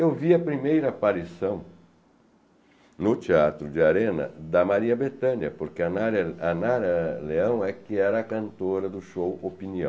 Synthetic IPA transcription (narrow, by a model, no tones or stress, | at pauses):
ewviɐpɾimejɾɐpaɾisɐ̃w̃ | nʊt͡ʃiat̪ɾʊd͡ʒɪaɾẽnɐ̰d̪ɐmaɾiɐbet̪ɐ̃njɐpoɾkɪɐnaɾɐanaɾɐleɐ̃w̃ɛkɪɛɾɐːkɐ̃nt̪oɾɐd̪ʊʃowopiniɐ̃w